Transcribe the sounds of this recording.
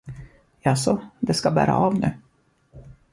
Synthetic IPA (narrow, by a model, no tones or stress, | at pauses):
jɑasɔd̪ɛskabæ̰ːɾa̰ɑvnʉ̟ː